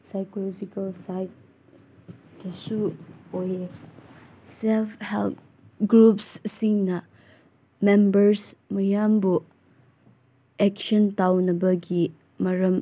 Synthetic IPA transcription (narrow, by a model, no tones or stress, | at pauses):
sajkolɔd͡ʒikɐlsajt̚ | d̥ɐsuoj | sɛlpʰhɛlp | ɡɾupsːiŋnɐ | membəɾsmɐjambu | ɛk̚ʃɔntawnɐbɐɡi | mɐɾɐm